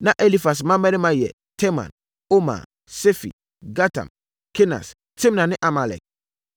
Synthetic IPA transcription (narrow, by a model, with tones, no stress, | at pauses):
nã˦˨ʔe˦li˦fa˨s̬mã˦mɛ˦nɪ̃˦mã˦jɛ̰˨ | tʰɛ˦mã̰˨n | o˦mã̰˨ | se˦fḭ˨ | ɡa˦tʰa̰˨m | kʰe˦na̰˨s | tʰĩ˦mnã˨nɪ̃˦ʔa˨ma˨lɛ̰˨k̚